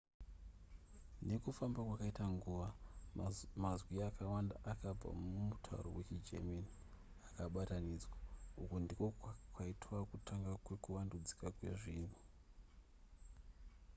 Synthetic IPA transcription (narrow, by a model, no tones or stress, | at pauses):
ne̞kufambakwakaitaŋɡuːʋa | mazwiakawandaʔakab͡va̰mumutʰa̰ṵɾo̰wet͡ʃid͡ʒḛmeni | akaɓatanid͡zwaukondiko̞kwaitwakutʰaŋɡakwekuwandud͡zi̥kakwe̞̰ʐiːmbo